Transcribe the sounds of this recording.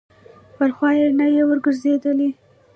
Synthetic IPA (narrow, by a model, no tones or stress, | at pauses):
bəlxwɑjenajewəɾɡəɾzed̪əli